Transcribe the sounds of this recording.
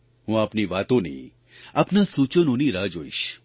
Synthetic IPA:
ɦũapniʋat̪õnḭ | apnasut͡ʃənoniɾad͡ʒoiʃ

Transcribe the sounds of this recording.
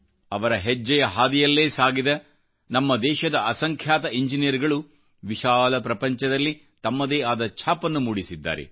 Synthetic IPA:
ɐʋɐɾɐɦed͡ʒːɐjɐɦaːd̪ijɐlːe̞ːsaːɡid̪ɐ | nɐmːɐd̪ɛːʃɐd̪ɐʔɐsɐŋkʰjaːt̪ɐiɲd͡ʒinijɐɾiɡɐɭu | ʋiʃaːlɐpɾɐpɐɲt͡ʃɐd̪ɐlːi | t̪ɐmːɐd̪eːaːd̪ɐt͡ʃʰaːpɐnːumuːɽisid̪ːa̰ːɾḛ

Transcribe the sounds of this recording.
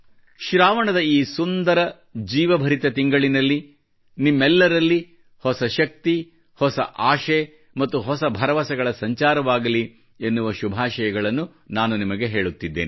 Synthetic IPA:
ʃɾaːʋɐɳɐd̪ɐiːsund̪ɐɾɐ | d͡ʒiːʋɐbʱɐɾit̪ɐt̪iŋɡɐɭinɐlːi | nimːɛlːɐɾɐlːi | hɔsɐʃɐk̚t̪i | hɔsɐ̰ʔaːʃe | mɐt̪ːuɦɔsɐbʱɐɾɐʋɐsɐɡɐɭɐsɐɲt͡ʃaːɾɐʋaːɡɐli | enːuʋɐʃubʱaːʃɐjɐɡɐɭɐnːu | naːnunimɐɡe̞ɦe̞ːɭut̪ːid̪ːeːni

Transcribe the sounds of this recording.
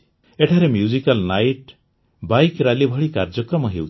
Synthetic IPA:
eʈʰaɾemjud͡ʒikalnajʈ | bajkɾalibʱɔɭikaɾd͡ʒɔkɾɔmɔɦewt͡ʃʰi̥

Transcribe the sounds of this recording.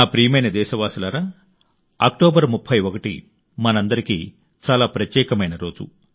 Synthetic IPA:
aːpɾiːmɐjnɐd̪ɛːʃɐʋaːsɐlaɾaː | aːk̚ʈoːbɐɾmupʰːɐjokɐʈḭ | mɐnɐnd̪ɐɾikḭː | t͡ʃaːlaːpɾɐt̪jɛːkɐmɐjnɐɾo̞ːd͡ʒṵ

